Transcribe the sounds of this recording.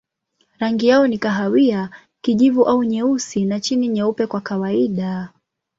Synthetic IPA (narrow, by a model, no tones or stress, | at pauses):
ɾaŋɡijaɔnikaɦawia | kiʄivuʔauɲɛusinat͡ʃiniɲɛupɛkwakawaiɗa